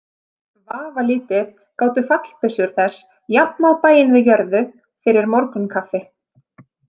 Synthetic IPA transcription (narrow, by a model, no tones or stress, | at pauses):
vaːvaliːt̪ɪð | kaːwt̪ʏfat̪l̥pɪsʏɾ̥θɛs | japnawpaːjɪnvɪðjœɾðʏ | fɪɾɪɾmɔɾkʏnkʰafːɪ